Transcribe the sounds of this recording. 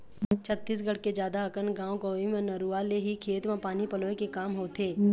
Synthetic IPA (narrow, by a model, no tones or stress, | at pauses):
t͡ʃʰət̪ːiːs̬ɡəɽ̤ked͡ʒjaːd̪aɐkənɡãːõkoimẽnəɾualeɦikʰeːt̪mãpaːnipəloːekekaːmɦoːt̪ʰeː